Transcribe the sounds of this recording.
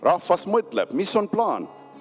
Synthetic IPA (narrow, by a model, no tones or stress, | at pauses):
rʔafɐsmət̪lɛ̰pmisɔnplaːn